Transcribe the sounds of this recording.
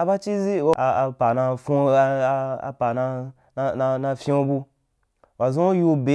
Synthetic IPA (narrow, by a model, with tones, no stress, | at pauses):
a˧ba˦t͡ʃi˦zi˦wa˧a˧pa˨na˧fu˦˧a̰˨pa˨na˧ | na˧na˧nã˧fʲĩ˦o˧bu˧ | wa˨zõ˦o˦ju˧be˨